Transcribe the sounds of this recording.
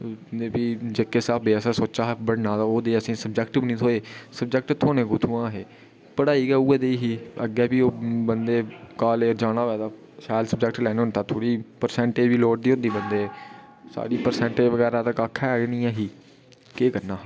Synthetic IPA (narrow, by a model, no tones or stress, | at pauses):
eːpiːd͡ʒekːeːsaːpʰbeːsaːsoːt͡ʃaːɦbəɽnãːd̪aːoːd̪eːəsĩːsəbd͡ʒɛːkʈɪbnĩːt̪ʰoːeːsəbd͡ʒɛːk̚ʈt̪ʰoːneːkʊːt̪ʰuãːɦeː | pəɽaːiːɡːuːɡeːd̪eiɦiːə̰ɡɛːbiːoːbənd̪eːkaːleːɾd͡ʒaːɽ̃aːʋɛːd̪aː | ʃaːd̪səbd͡ʒɛk̚ʈlɛːnːʊnt̪aːt̪ʰoːɽiːpəɾsɛ̃ːɳʈeːd͡ʒʋiːloːʈd̪iːɦʊ̃nd̪iːbənd̪eː | sa̰ːɽiːpəɾsɛ̃ːɳʈed͡ʒʋəɡɛːɾaːt̪əkaːkʰːɛːɡenĩːãːɦiː | keːkəɾnaː